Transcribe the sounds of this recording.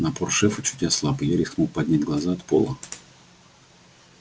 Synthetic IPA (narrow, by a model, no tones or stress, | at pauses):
nɐporʂɛfət͡ɕʊ̥tʲjaslˠapɨjaɾʲɪsxmok̚pɐdʲnʲætʲɡlˠɐzaɐt̪po̰lˠə